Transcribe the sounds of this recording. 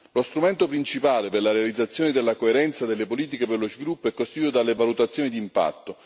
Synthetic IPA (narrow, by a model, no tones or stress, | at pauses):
lost̪ɾument̪opɾint͡ʃipaːleperlaɾealid̪zːat̪sːjoːned̪elːakoeɾɛnt̪sad̪elːepoliːt̪̬ikeperlozvilupːoɛkːost̪it̪ut̪od̪alevalut̪at̪sːjoːnid̪iːmpa̰t̪ːo